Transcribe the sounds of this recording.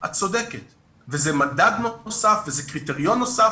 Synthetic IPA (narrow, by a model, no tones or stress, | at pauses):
ha̰t͡so̞d̪eket̪ | vezemad̪ad̪nosafvezekʁit̪eʁijonːosa